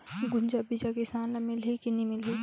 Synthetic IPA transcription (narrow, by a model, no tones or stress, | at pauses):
ɡʊɲd͡ʒabid͡ʒakɪsaːnlɐmɪlɦikinimɪlɦi